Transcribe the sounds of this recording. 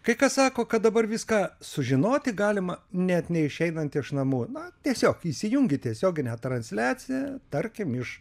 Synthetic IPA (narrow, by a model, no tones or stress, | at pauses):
kɐɪkɐssɑːkoːkɐt̪̚d̪ɐbɐrʋʲɪskɑːsʊʒʲɪnoːt̪ʲɪɡɑːlʲɪmɐnʲɛt̪nʲɛɪʃʲɛɪnɐnt̪ɪʃnɐmuːnʊt̪ʲiɛsʲoːkiːsʲɪjʊŋʲɡʲɪt̪ʲiɛsʲoːɡʲɪnʲɛːt̪ɾɐnʲsʲlʲæːt͡sʲɪjæt̪ɐɾʲkʲɪmɪʃ